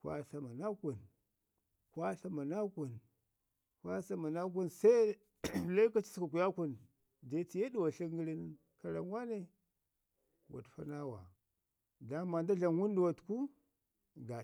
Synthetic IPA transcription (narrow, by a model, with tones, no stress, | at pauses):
kʷa̰˦ɬa˦ma˨na˦kʷu˨n | kʷa˦ɬa˦ma˨na˦kʷu˨n | kʷa˦sa˦ma˨na˦k̬u˦nsa˦i˦ | la˦i˦ka˦t͡ʃi˦ska˨ku˨ja˦ku˨n | da˦t͡si˨je˦du˦˨wa˨ɬə˦ɡə˦ɾi˦ni˦n | ka˨ɾa̰˨ŋ˦wa˦ne˦ | wa̰˨tfa̰˦na˦wa̰˨ | da˦ma˨nda˦ɮa˨nwu˦n˦du˨wa˨tku˦ | ɡa˨